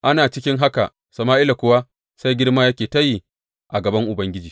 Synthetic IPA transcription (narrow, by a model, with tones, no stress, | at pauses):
ʔa˦naː˨t͡ʃɪ˦kʲɪ˦ŋɦa˦ka˨ | sɐ˨maː˦ʔɪ˦la˨kʷʊ˦wa˦ | sa˦jɡʲɪ˦ɽmaː˦jɐ˦kʲeː˨ta˦ji˦˨ | ʔa˨ɡɐ˨bɐ˦ŋʔʊ˨bɐ˦ŋɡʲɪ˦d͡ʒiː˨